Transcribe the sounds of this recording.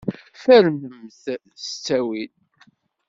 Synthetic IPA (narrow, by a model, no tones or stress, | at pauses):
fæɾməmθ | st͡sːæwin